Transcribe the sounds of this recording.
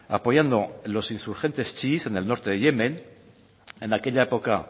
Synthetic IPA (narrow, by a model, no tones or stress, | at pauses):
a̰po̞jand̪olo̞sinsuɾxe̞nt̪e̞st͡ʃise̞ne̞lno̞ɾt̪e̞ðeʝe̞men | e̞nake̞ʎaepo̞ka